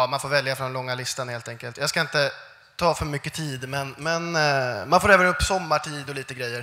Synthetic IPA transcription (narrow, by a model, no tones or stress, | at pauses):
manfoːɾvɛljafɾɔnlɔŋːalɪst̪anheːlt̪ɛŋkəlt̪jaːɡskaɪnt̪ə | t̪ʰɑːfœɾmʏkːət̪ʰiːd̪mɛnmɛnmanfoːɾɛːvənɵpːsɔmːaʈʰiːd̪ɔliːt̪əɡɾɛjːəɾ